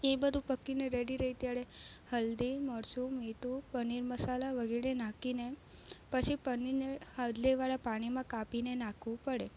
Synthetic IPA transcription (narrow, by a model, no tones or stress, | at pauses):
ebəd̪ʱũpəkːineɾeɽiɾəɦit̪jaɽehəld̪iməɽsũmet̪upəniɾməsalaʋəɡeɾenãkine | pət͡ʃʰipəninehad̪ʱleʋaɭapaɽ̃imãkapinenãkʰʋũpəɽe